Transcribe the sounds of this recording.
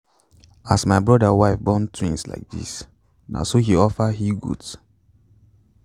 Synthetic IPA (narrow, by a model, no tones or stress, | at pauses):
asmaɪbɹɔdawaɪfbɔ̃ntʰwĩnsla̰ɪk̚ðḭs | na̰sohiɔfəɦiɡṵds